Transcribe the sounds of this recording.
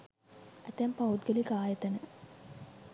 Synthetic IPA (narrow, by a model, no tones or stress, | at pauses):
æt̪æmpaud̪ɡelikaːjət̪ənə